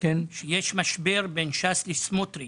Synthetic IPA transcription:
kenʃejeʃmaʃbeʁbenʃaslismot̪ɾi

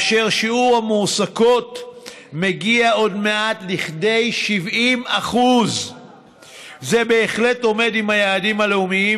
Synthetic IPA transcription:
ʃeʁʃiuʁhamusako̞t | me̞ɡiao̞dme̞atliχde̞jʃivimaχuz | zebe̞ːχle̞to̞me̞dimhajaːdimhaleumii

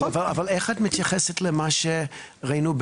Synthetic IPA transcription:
avalavaleχatmit̪jaχɛsetʰlɛmaʃeʁainub

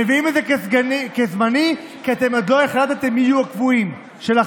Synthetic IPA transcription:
eviimed̪zekezɡnikezmani | kiat̪e̞mod̪lo̞eχlat̪at̪emijuakvuim | ʃela

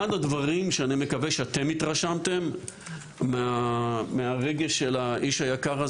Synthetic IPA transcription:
adad̪vaʁimʃeanime̞kaveʃeat̪e̞mit̪ʁaʃamt̪e̞mː | eameaʁe̞ɡe̞ʃe̞laʔiʃajakaʁa

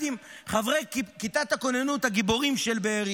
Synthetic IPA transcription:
imχavʁejkit̪at̪hako̞nenut̪haɡibo̞ʁimʃelbeːʁi

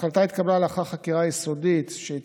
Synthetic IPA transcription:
χlat̪ait̪kablalaχaχakiʁajiso̞dit̪ʃei

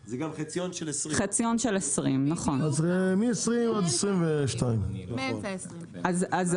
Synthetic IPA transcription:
zeɡamχet͡sijonʃelesχet͡sijo̞nʃelesʁimnɐχo̞nazemiesʁimad̪esʁimveʃtaim | s | azaz

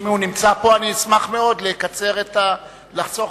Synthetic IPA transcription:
meunimt͡sapo̞aniːsmaχme̞o̞dlekat͡se̞ʁet̪a | laχt͡so

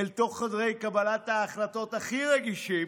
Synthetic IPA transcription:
elto̞χːadʁe̞jkabalataːχlato̞taχiʁeɡiʃi

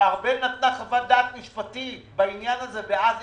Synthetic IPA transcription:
aʁbenat̪naχavad̪aːt̪miʃpat̪ibainjanazebeaz

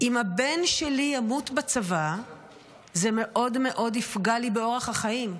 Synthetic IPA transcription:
imhabe̞nʃelijamutbat͡sava | zeme̞ʔo̞dme̞ʔo̞difɡalibeo̞ʁeχhaχaim

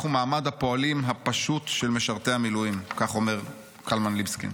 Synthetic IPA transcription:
χumaːmad̪hapo̞alimɦapaʃutʃelme̞ʃaʁt̪e̞amilujimkaχo̞meʁ | kʰalmanlibskḭ

